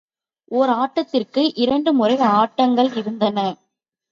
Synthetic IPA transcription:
ʔoːɾaːʈːɐt̪ːɪrkɯʔɪɾɐɳɖɯmʊrɐɪaːʈːɐŋɡɐɭɪɾɯnd̪ɐnɐ

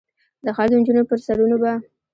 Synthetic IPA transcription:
d̪əxald̪ond͡ʒunopəɾsaɽunoba

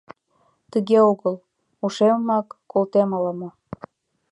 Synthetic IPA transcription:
t̪əɣeoɣəl | uʃemmɑkːolt̪emɑləmo

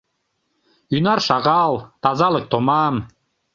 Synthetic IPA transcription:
ynɑrʃɑʁɑlˠt̪ɑzɑlɤk̚t̪omɑm

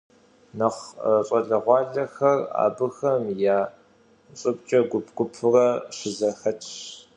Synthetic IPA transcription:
nɐχrɐɕʼɐɮɐʁʷɑːɮɐxɐra̰ːbɨxɐmjaː | t͡sʼɨp̚ʼt͡ʃʼɐɡʷʊpʰɡ̥ʷʊpʰɨrɐɕɪzɐxɐt͡ʃʰɕ

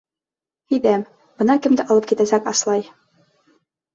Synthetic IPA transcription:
id̪æm | b̥ɤ̆nɑkɘ̆md̪ɘ̆ʔɑ̆lˠɤp̚kit̪æsækɑslˠɑj

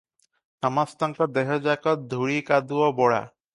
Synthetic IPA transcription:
amast̪aŋkɔd̪ɛɦɔd͡ʑakɔt̪̚d̪ʱuɽikad̪uɔbɔɽa̰

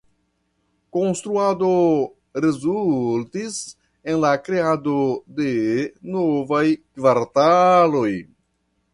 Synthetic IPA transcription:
ko̞nstɾuado | ɾe̞zultis | e̞nlakɾe̞adode̞novajkvaɾtalo̞j

